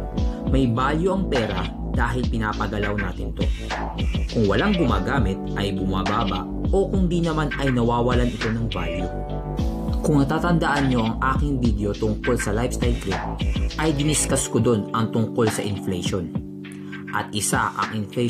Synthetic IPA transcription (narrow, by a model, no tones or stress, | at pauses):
mɐjbaːljoʔɐŋpɛːɾɐ | d̪̥aːɦɪlpɪnaːpɐɡɐlawna̰ːt̪ɪnɪt̪o̞̰ | kʊŋwɐlaŋɡʊma̰ːɡaːmɪt̪̚ʔɐjbʊmaːbaːbɐ̰ʔʔo̞kʊŋd̪inɐmanɐjnɐwaːwɐlanɪt̪o̞nɐŋva̰ljo | kʊŋnɐt̪aːt̪ɐnd̪ɐʔɐnɲo̞ʔɐŋʔaːkɪŋbid̪eo̞t̪ʊŋko̞lsɐlajbst̪ajlkɾip̚ʔɐjd̪ɪnɪskɐskod̪o̞nʔɐŋt̪ʊŋko̞lsɐʔɪnflɛjʃon | ʔɐt̪ʔɪsaʔɐ̰ŋʔɪnflɛ